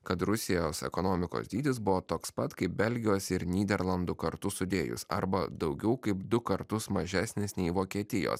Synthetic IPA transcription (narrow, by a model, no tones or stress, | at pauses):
kɐt̪ɾʊsʲɪjoːsɛ̰konoːmʲɪko̰sʲd̪ʲiːd̪ʲɪsbʊʋoːt̪oːkspɐt̪kɐɪp̚bʲɛlʲɡʲɪjoːsɪɾnʲiːd̪ʲɛɾlˠɐnd̪ukɐɾt̪ʊsʊd̪ʲeːjʊ̰sɐ̰ɾbɐd̪ɒʊɡʲɛʊkɐɪpd̪ʊkɐɾt̪ʊsmɐʒʲæːsʲnʲɪsnʲɛɪʋoːkʲiɛt̪ʲɪjo̰ːs